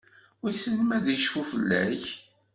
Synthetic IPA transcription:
isəlmæðjəʃfufəlːæç

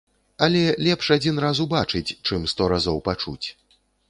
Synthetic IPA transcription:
ɐlʲɛlʲɛpʂad͡zʲinɾazubat͡ʂɨt͡sʲt͡ʂɨmst̪ɔɾazɔwpat͡ʂṵt͡sʲ

